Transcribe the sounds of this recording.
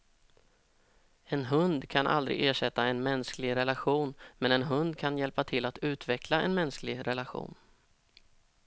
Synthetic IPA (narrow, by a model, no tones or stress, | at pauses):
ɛnɦɵnd̪kʰanʔa̰ld̪ɾɪ̰ɡeːʂɛt̪ːaɛnmɛnsklɪɡɾɛlaɧuːnmɛnɛnɦɵnd̪kʰanjɛlpat̪ʰɪlːat̪ʉ̟ːt̪vɛklaɛ̰nmɛnsklɪɡɾɛlaɧṵːn